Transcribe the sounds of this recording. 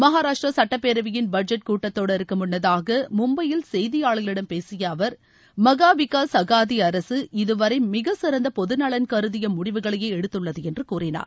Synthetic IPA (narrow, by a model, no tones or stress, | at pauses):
mɐɦaːɾaːʂʈrɐsɐʈːɐpːeːɾɐʋɪjɪnbɐɖd͡ʒɐʈ̚kuːʈːɐt̪ːoːɽɪɾɯkːɯmʊɳːɐðaːɣɐmʊmbɐjɪlsɛjðɪjaːɭɣɐɭɪɽɐmpeːsɪjɐːʋɐɾ | mɐɣaːʋɪkːaːsɐɣaːðiɐɾɐsɯɪðɯʋɐɾɐɪmɪɣɐsɪɾɐnd̪ɐpɔðɯnɐɭɐnkɐɾɯðɪjɐmʊɽɪʋɯɣɐɭɐjeːɛɽɯt̪ːɯɭːɐðɯɛndrɯkuːrɪna̰ːɾ